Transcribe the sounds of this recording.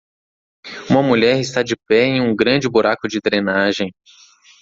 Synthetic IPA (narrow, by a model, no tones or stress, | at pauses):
ũmɐmuʎɛɾɪst̪ad͡ʒɪpɛẽj̃ũɡɾɐ̃d͡ʒɪbuɾakʊd͡ʒɪd̪ɾenaʒẽj̃